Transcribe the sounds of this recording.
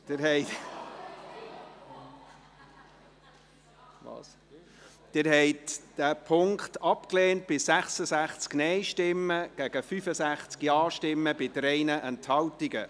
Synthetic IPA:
d̥ɪɾɦɛɪ | ʋɑ̰ːs | d̥ɪɾhɛɪtd̥æːpʰʊŋktɑpkleːnt̚b̥ɪsæχsəsæχt͡sknɛɪʃtɪmːəɡ̥æɡ̥əfyfəsæχt͡skjɑːʃtɪmːəbɪdɾɛɪnəʔɛnthɑltiɡə

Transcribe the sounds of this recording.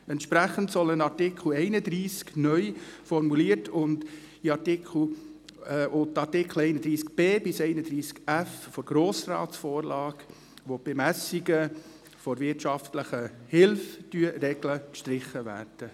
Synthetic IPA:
ɛntʃpɾæχəntsɔlənɑɾtɪkʰl̩ɛɪnəd̪ɾiːsknœʏfɔɾmuliətʰʊnd | iɑtɪkʰl̩ː | ʔʊtɑɾtɪkχl̩ɛɪnəd̪ɾiːskb̥eːbɪsɛɪnəd̪ɾiːskæffɔɾɡ̥ɾoːsrɑ̰ːtsfoːɾlɑːɡ | ʋob̥emæsiɡə | fɔɾvɪtʃɑftləχəhɪlftyəɾɛɡləkʃtɾɪχːəvæ̰ːrd̥ə

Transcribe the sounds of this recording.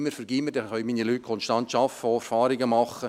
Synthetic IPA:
məɾfəɾɡ̥iməɾdɛχœʏɥmiːnilyːt̚kʰɔnʃtɑnt̪ʃɑfəoɛɾfɑːɾɪɡəmɑχːə

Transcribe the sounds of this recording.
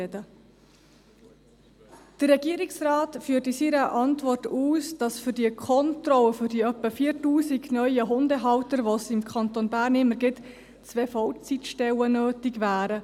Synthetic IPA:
ɛdə | d̪̥ərːɛɡiəɾɪksrɑːtfyːətisiɾəʔɑntvɔrtuːsd̥ɑsfʏrdiəkʰɔntɾɔwəfʏɾdiœpːəfiərtuːsiɡnœʏəɦʊndəɦɑwtəɾʋosɪmkʰɑnt̪onbæːrnɪmːəɾɡɪt | t͡svefɔwt͡sitʃtɛwənøːtɪɡʋæːɾə

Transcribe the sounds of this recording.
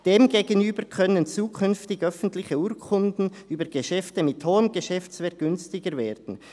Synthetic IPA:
d̥eːmɡeːɡənyːbəɾkʰœnənt͡suːkʰʏnftɪɡœfən̩tlɪçəuːkʰʊndn̩yːbəɾɡeʃɛftəmɪthoːəmɡəʃɛft͡svɛk̚ɡ̥ʏnstɪɡəɾveːɾd̥n̩

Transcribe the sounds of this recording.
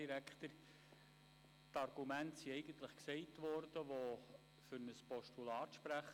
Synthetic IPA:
iɾækχt̪əɾ | tɑrɡ̥umæntsiɛɪɡ̥ənt̪ləχksɛɪtʋɔrd̥əʋo | fʏɾnəspɔʃtulɑːtʃpɾæχ

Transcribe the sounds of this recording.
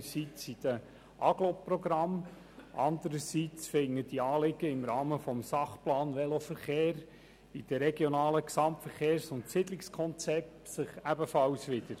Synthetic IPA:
sit͡sid̪̥ə | ʔɑɡloprɔɡɾɑm | ʔɑ̰nd̪əɾəsit͡sfɪŋːədiɑːlɪɡ̥əɪmrɑːməfɔmsɑχplɑːnʋɛlofəɾχeːɾ | ɪd̥əɾɛɡjonɑːləksɑmtfəɾχeːɾsʊntsɪdlɪkskʰɔnt͡sɛp̚tsɪχæbəfɑlsʋɪd̪̥əɾ

